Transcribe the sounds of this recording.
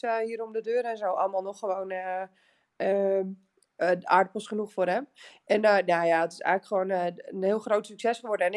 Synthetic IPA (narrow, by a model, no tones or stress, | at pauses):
hiːəɾomdədøːɾɛnzowʔɔlˠəmaːlˠnɔχːəʋonə | ə | dəʔa̰ːɹdəpɔsχənuxfoːrɛm | ɛnjajadɔtɪ̥sɛ̰ɣləkχəʋoːnənhɪəlˠxrowtsyksɛsχəʋɔɹdəɛn